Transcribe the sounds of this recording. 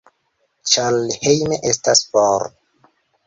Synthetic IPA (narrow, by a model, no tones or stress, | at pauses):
t͡ʃalhejmeʔestaspoɾ